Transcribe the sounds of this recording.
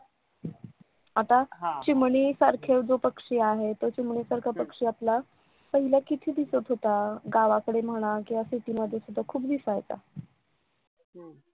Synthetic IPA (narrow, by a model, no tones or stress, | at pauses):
at̪at͡ɕimɳ̃iːsaɾkʰeʋd͡zopəkʂiːaɦet̪ot͡ɕimɳisaɾkʰapəkʂiːapla | pəɦilakit̪ʰiːd̪isət̪ɦot̪aɡaʋakəɽem̤əɽ̃akĩʋasiʈiːməd̪ʱːjesud̪ʱːakʰuːpd̪ifajt̪a̰